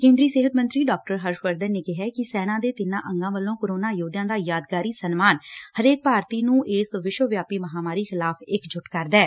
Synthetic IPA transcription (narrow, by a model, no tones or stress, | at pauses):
kẽːnd̪ɾiːseːɦət̪mənt̪ɾiːɖaːk̚ʈəɾɦəɾʃʋəɾd̪ənneːkɪɦɛːkɪsɛːnãːd̪eːt̪ɪnã̰ːʔəŋɡãːʋəlːõːkəɾoːnaːjoːd̪jãːd̪aːjaːd̪ɡaːɾiːsənmaːnhəɾeːk̚paːɾt̪iːnũːʔɪsʋɪʃʋəʋjaːpiːməɦaːmaːɾiːxɪlaːpʰɪkd͡ʒʊʈkəɾd̪ɛː